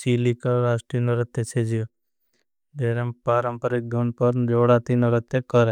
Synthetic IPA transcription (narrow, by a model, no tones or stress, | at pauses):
t͡ʃiːlikaɾaːsʈɾinoɾɐt̪ːet͡ʃʰed͡ʒijo | b̪eːɾempaːɾəmpəɾik̚d̪ʱunpəɾd͡ʒoːɽat̪inoɾət̪jekəɾe